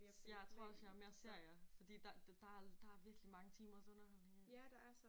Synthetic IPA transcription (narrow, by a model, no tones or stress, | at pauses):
jɑ̈ɪt͡sʰʁo̰ɒlsjɑ̈æɐme̝ɐse̝ɐ̰jɑ̈ɪfɒ̽d̥ḭːd̥ɑ̥d̥ɑ̈æd̥ɑ̈æɐʋiɐɡ̥limɑ̈ŋət͡sʰiːmɐsɔ̽nɐhɒ̽l̰ne̝ŋd̥ɑæ